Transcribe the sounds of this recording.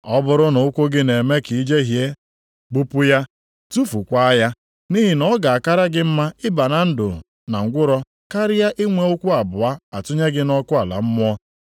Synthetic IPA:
ɔ˦bʊ˦ɾʊ˦nʊ˨ʊ˦kʷu˦ɡɪ˦ne˨me˦ki˨i˦d͡ʒe˦ɦje˦ | ɡ͡bu˦pʊ˦ja˦ | tu˦fu˨kʷa˦ja˦ | ni˦ɦi˨nɔ˦ɡa˨a˨ka˦ɾa˦ɡɪ˦m̩˦ma˦ɪ˦ba˨na˨n̩˦dʊ̰˨ | na˨ŋ̩˨ɡʷʊ˦ɾɔ˦ | ka˦ɾɪ˦ja˦ʔɪ˦ŋʷe˦o˦kʷu˦a˨bʊ˨a˦a˨tʊ˦ɲe˦ɡɪ˦nɔ˦kʊ˦a˨la̰˨m̩˦mʊ˦ɔ˦

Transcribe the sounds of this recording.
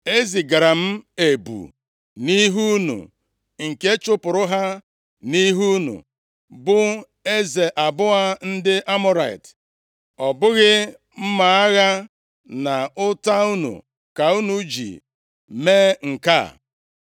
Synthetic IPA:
e˦zi˨ɡa˨ɾa˨m̩˦e˨bṵ˨ | ni˦ɦu˦nṵ˨ | ŋ̩˨ke˦t͡ʃʊ˦pʊ˨ɾʊ˦ɦa˦ | ni˦ɦu˦nṵ˨ | bʊ˦ | e˦ze˨ʔa˨bʊ˦ɣa˦n̩˦dɪ˦ʔa˦mʊ˦ɾa˨ɪ̰˨t | ɔ˨bʊ˦ɣɪ˦ | m̩˦ma˨a˦ɣa˦ | na˨ʊ˦ta˦u˦nṵ˨ | ka˨u˦nu˨˦d͡ʒḭ˨ | me˦ŋ̩˨ka̰˦˨

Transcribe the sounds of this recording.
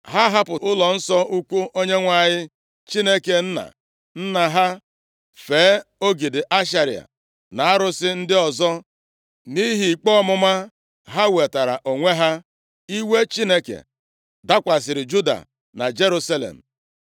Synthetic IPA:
ɦa˦ɦa˦pʊ˨ʊ˦lɔ˨n̩˦sɔ˦u˦kʷu˦ʔo˦ɲe˦ŋʷa˨ɲɪ˦ | t͡ʃi˦ne˦ke˨n̩˦na̰˨ | n̩˦na˨ɦa˦ | feː˨˦o˦ɡi˨dɪ˨ʔa˦ʃ̬a˦ɾi˨a̰˨ | na˨a˦ɾʊ˦sɪ˦n̩˦dɪ˦ɔ˨zɔ˦ | ni˦ɦi˨i˨k͡pɔ˦mʊ˦ma˦ | ɦa˦we˨ta˨ɾa̰˨ʔo˨ŋʷe˦ɦa˦ | i˦we˦t͡ʃi˦ne˦kḛ˨ | da˦kʷa˨s̬ɪ˨ɾɪ˨d͡ʒu˦da̰˨ | na̰˨d͡ʒe˦ɾu˦sa˦lḛ˨m̩˨

